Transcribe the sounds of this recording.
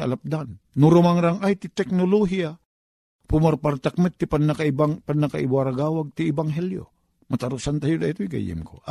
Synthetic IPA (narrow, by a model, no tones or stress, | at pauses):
a̰lap̚d̪anːuɾumaŋɾaŋajt̪it̪ɛk̚noloɦia | pumarpart̪ak̚mɛt̪ːipanːakaibaŋpanːakaibwaɾaɡawaɡ̚t̪iːbaŋɦɛljo̰ | mat̪aɾusant̪ajudait̪oiɡa̰jɪ̰mko̰